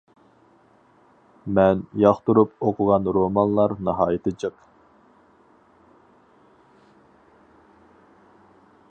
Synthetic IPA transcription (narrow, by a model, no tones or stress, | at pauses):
mɛnjɑχt̪uɾupoqʰʊʁɑnɾomɑnlˠɑɾnɨɦɑːjɪt̪ʰɨd͡ʒəq